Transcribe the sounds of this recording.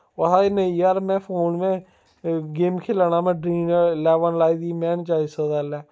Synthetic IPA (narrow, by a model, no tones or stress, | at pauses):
əɦaːenəiaːɾmɛ̃ːpʰoːnmɛ̃ː | ɡeːmkʰɪlaːnaːmɛ̃ːɖɾiːnəɾlɛːʋənlaːiːd̪iːmɛ̃ːnt͡ʃaːisəd̪alɛː